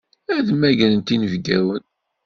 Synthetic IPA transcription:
æðəmæʝənənt̪inəvɡæwən

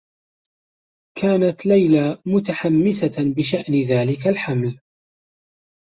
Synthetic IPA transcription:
kʰaːnat̪lajlamʊt̪aħamːɪsabɪʃaʔnðaːlɪkalħaml

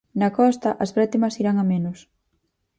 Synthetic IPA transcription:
nɐkɔst̪ɐʔɐzβɛt̪imɐsiɾaŋɐmenʊs

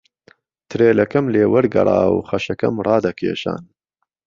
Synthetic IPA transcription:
t̪ʰɨɾeːlɐkɐmleːwɐɾɡɐ̰rˤɑ̰ːwχɐʃɐkɐ̰mrˤɑːd̪ɐkʰḛːʃa̰ːn

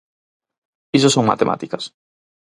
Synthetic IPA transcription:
isosõŋma̰t̪emʔa̰t̪ikɐs

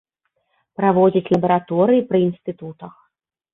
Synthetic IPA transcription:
pɾavɔd͡zʲit͡sʲlʲˠɐbɐɾat̪ɔɾɨjipɾɨinst̪ɨt̪ut̪ɐx

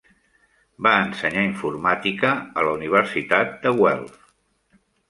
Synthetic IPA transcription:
baənsəɲaiɱfurmat̪ikəələuniβ̞əɾsit̪at̪̚d̪əɣwɛ̰lˠs

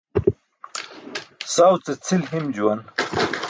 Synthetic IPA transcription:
sawt͡set͡sʰilɦimd͡ʑuwɐn

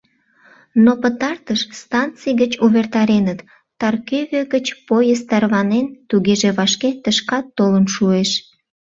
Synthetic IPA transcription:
nopət̪ɑrt̪əʃst̪ɑnt͡sijɣət͡ɕuβert̪ɑɾenət̪ː | ɑrkøβøɣət͡ɕpojəst̪ɑrβɑnent̪uɣeʒeβɑʃket̪əʃkɑt̪ːolənʃueʃ

